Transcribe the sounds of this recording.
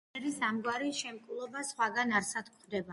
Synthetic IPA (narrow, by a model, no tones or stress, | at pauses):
ɛɾisamɡwaɾiʃɛmkʼulˠɔbasχwaɡanaɾsad̪kʰχd̪ɛba